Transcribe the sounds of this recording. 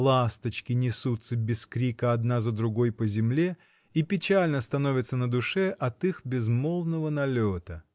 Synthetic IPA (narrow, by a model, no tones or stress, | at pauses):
lˠast̪ət͡ɕkʲɪnʲɪsut̪səbʲɪskɾʲikəɐd̪nazəd̪ɾʊɡojpəzʲɪmlʲe | ipʲɪt͡ɕælʲnəst̪ɐno̞vʲɪt̪sənəd̪ʊʂɛʔɐt̪ixbʲɪzmolˠnəvənɐlʲot̪ə